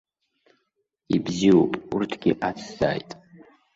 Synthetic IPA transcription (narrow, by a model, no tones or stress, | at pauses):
ibziwopʼurtʰɡʲiʔat͡sʰz̥a̰ːjtʼ